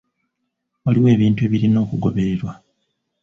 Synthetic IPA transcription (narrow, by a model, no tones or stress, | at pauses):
waliwe̞ːβiːntue̞ːβiɾino̞ːkuɡo̞βe̞ɾeɾwa